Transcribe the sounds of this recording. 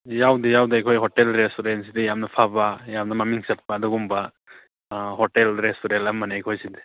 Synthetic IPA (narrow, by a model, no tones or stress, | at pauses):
jawdijawdajkʰɔjɦɔtelɾestɔɾensidijamnɐpʰabajamnɐmamiŋsɐt̚padɔɡumba | hɔtelɾestuɾentamanajkʰɔjsidi̥